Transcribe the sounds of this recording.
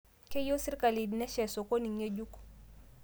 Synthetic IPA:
ke˦jo˦si˦ɾka˨li˨dnɛ˦ʃɛ˨so˨ko˦ni˨ŋe˦d͡ʒu˦k

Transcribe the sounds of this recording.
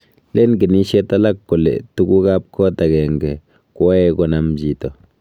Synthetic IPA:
le˦nɡe˨ni˦ʃe˦t̪a˦la˦kːo˨lḛ˨t̪u˧˦ɡu˦ɡa˦pkʰo˦t̪a˨ɡe˨ŋɡe˨ | ko˦e˧ɡo˧na˧md͡ʒi˨t̪o˨

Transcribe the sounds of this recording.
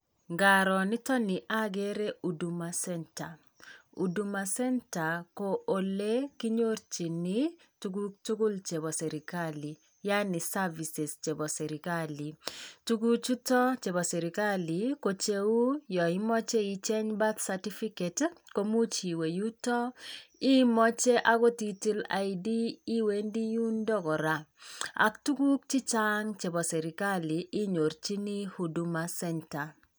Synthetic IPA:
ŋɡaɾɔ˨ni˦tɔ˦ni˨ʔa˦ɡe˦ɾe˦u˨du˨ma˨sɛnta˨ | ṵ˨du˨ma˨sɛ˦nta˨ko˨o˨le˦ki˦ɲo˦ɾt͡ʃi˨ni | tu˦ɡutu˦ɡu˦lt͡ʃe˨bɔ˨sɛ˨ɾikali˨ | ja˦ni˨savi˨sɛ˨st͡ʃe˨bɔ˨sɛɾikali˨tu˦ɡu˦t͡ʃu˦tɔ˦t͡ʃe˨bɔ˨sɛ˨ɾi˨ka˦liko˨t͡ʃe˦u˦jɔ˨i˦mɔ˦t͡ʃe˦i˨t͡ʃe˦ɲba˦t̪sa˨ti˦fi˦ke˨tko˦mu˦t͡ʃi˨we˨ju˦tɔ˦i˦mɔ˦t͡ʃe˦ʔa˦kɔ˦ti˦ti˦la̰˨idiː˦we˨˦ndi˦ju˦ndɔ˦kɔ˨ɾa˨a̰˨ktu˦ku˦k̚t͡ʃi˦t͡ʃa˦ŋt͡ʃe˨bɔ˨sɛ˨ɾi˨ka˦li˨ʔɪ˦ɲo˨ɾt͡ʃi˦ni˦hu˨du˦ma˦sɛ˦nta˨

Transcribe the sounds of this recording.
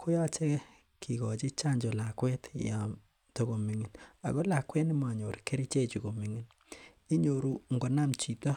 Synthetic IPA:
kʰo˦ja˦t͡ʃe˦ | kʰi˨kɔ˨t͡ʃi˦t͡ʃa˦ɲd͡ʒo˨la˨kwɛ˦tja˨ | to˦ko˨mi˨ŋi˨na̰˨ko˦la˨kwɛ˦ni˦ma˨ɲo˨ɾke˦ɾi˦t͡ʃe˦t͡ʃi˨ko˨mi˦ŋi˨n | i˦ɲo˨ɾu˦ŋɡo˨na˦mt͡ʃi˨ta˦

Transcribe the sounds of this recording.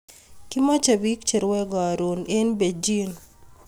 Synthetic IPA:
ki˦ma˦t͡ʃa˨bi˦kt͡ʃɛ˨ɾwɛ˦ɡa˨ɾo˨ne˦nbe˨d͡ʒi˦n

